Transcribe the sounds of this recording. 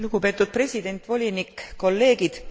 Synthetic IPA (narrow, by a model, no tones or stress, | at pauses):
luɡ̥upe̞ːt̪ːˑud̪̥̚pre̞sʲid̪̥e̞nʲt̪ˑvo̞lʲinikko̞lːe̞ːɡ̥id̪̥